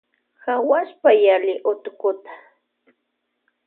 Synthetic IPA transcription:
xawaʃpajalɪʔʊt̪ʊkʊt̪ḁ

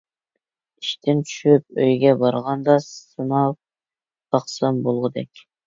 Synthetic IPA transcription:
iʃt̪ʰɪnt͡ʃʰy̥ʃyp̚øjɡʲɛbɑɾʁɑnd̪ɑsɨnɑp̚ | d̪ɑχsɑmbolˠʁʊd̪ɛkʲ

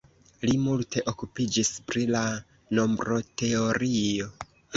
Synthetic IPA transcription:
limultʰe̞ʔo̞kupid͡ʒispɾila | no̞mbɾo̞te̞o̞ɾio̞

